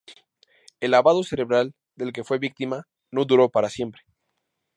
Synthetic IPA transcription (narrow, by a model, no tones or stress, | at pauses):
elaβaðo̞se̞ɾe̞βɾal | d̪e̞lk̬e̞fwe̞βik̚t̪ima | no̞ðuɾo̞paɾasje̞mpɾe